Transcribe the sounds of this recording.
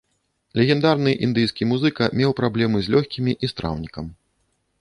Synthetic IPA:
lʲɛɣʲɛnd̪arnɨʔind̪ɨjskʲimuzɨkɐmʲɛwpɾablʲɛmɨzʲlʲɔxʲkʲimʲiʔist̪ɾa̰wnʲikɐm

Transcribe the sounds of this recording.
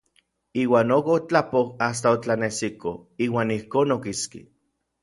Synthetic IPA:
iːwaːnokot͡ɬapohas̬t̪aot͡ɬanesikoiːwaːnihkoːnokiskḭ

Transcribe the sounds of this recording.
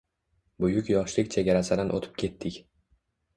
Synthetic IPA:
bʊjʊkʲjɒʃlɪkʲt͡ʃʰe̞ɡʲaɾasɪd̪anʔo̰t̪ʰɪ̥p̚kʲʰe̞t̪ʰːɪkʲ

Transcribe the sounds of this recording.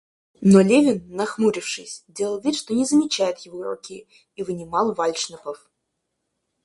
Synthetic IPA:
nolʲevʲɪnːɐxmuɾʲɪfʂɨsʲdʲelˠəlˠvʲit̪ʂt̪onʲɪzəmʲɪt͡ɕæjʊt̪jɪvoɾʊ̰kʲi | ivɨnʲɪmɑlˠvalʲʂnəpəf

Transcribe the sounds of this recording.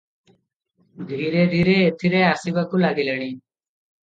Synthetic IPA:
d̪ʱiːɾeːd̪ʱiːɾeːet̪ʰiɾeːaːsibakulaːɡiləɽ̃iː

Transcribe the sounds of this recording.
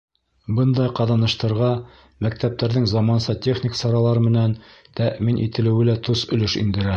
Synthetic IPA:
bɤnd̪ɑjqɑðɑnɤ̆ʃt̪ɤ̆ɾʁɑ | mæk̚t̪æp̚t̪æɾðɘŋzɑmɑnsɤt̪ʲeχnʲɪksɑɾɑlˠɑɾɤmɘ̆nænt̪æʔminʔḭt̪ɘ̆lɘ̆wɘlæt̪usɵ̆lɘʃḭnd̪ɘ̆ɾæ

